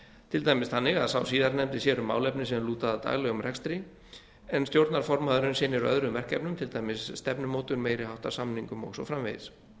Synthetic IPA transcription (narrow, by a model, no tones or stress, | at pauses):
t̪ʰɪlt̪ajmɪsθanːɪɣaðsawsiːðaɾnɛmt̪ɪsjɛɾʏmːa̰wlɛpnɪsɛmluːt̪aðat̪a̰ːɣlɛɣʏmrʔɛkst̪ɾi | ɛnst̪jowɾt̪naɾ̥fɔɾmaðʏɾʏnsɪːnːɪɾœ̰ðɾʏmvɛr̥cɛpnʏmt̪ʰɪlt̪aːjmɪsːt̪ɛpnʏmoːwt̪ʏɾmeːjɾɪhawht̪aɾsamniŋkʏmɔ̰ɣsɔ̰fɾamvejðɪs